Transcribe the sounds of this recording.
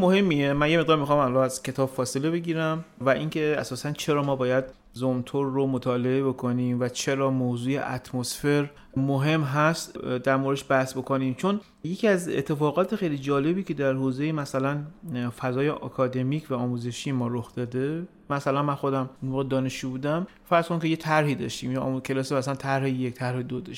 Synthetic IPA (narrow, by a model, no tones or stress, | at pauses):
mohe̞mːiemænje̞meʁd̪ɒːɾmixɑmalɒæzcʲʰe̞t̪ʰɒːbfɒːse̞le̞be̞ɟiːɾæmvæʔiŋcʰe̞æ̰sɒːsænt͡ʃʰe̞ɾɒːmɒːbɒːjæd̪ | zomt̪ʰoɾːomot̪ʰɒːle̞ebo̞kʰoniːmvæt͡ʃʰe̞ɾɒːmoːzuːjḛʔæ̰t̪ʰmosfe̞ɾ | moɦe̞mɦæst̪d̪æɾmoɾeʃbæhsbo̞kʰonimt͡ʃʰo̞n | je̞cʰʲiæzḛt̪ʰːe̞fɒːɣɒːt̪ʰexejlid͡ʒɒːle̞biːcʰe̞d̪æɾhoːzejemæsælænfæzɒːjeʔɒ̰ːkʰɒːd̪e̞miːcʰvæɒːmuze̞ʃijemɒːɾoxd̪ɒːd̪e | mæsælænmænxo̞d̪æmunmoːɣed̪ɒːneʃubuːd̪æm | fæɾz̥konkʰe̞jet̪ʰæɾhiːd̪ɒ̰ːʃt̪iːmj̰kʰe̞lɒːsimæsælænt̪ʰæɾhejekt̪ʰæɾhed̪od̪ɒʃ